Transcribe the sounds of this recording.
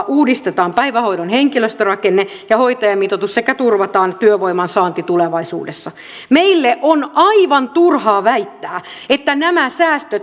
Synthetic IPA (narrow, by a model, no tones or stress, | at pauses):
ʔuːdist̪et̪ɑːmpæiʋæhoidonheŋkiløst̪ørɑkenːe | jɑhoit̪ɑjɑmit̪ot̪ussekæt̪urʋɑt̪ɑːnt̪yøʋoimɑnsɑːnt̪it̪uleʋɑisṵːdesːɑ | meilːeʔonɑiʋɑnt̪urhɑːʋæit̪ːæː | et̪ːænæmæsæːst̪øt̪